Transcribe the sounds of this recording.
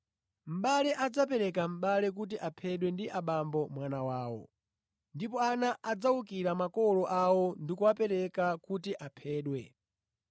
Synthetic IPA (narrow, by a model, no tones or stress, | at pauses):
m̩ɓalɛʔad͡zap̬ɛɾɛkam̩ɓalɛk̬ut̬iʔapʰɛɗwɛndiʔaɓambɔmwanawaːwɔ̰ | ndipɔanaʔad͡zaukiɾamakɔlɔʔawɔndikuwapɛɾɛkakutiʔapʰɛːɗwɛ̰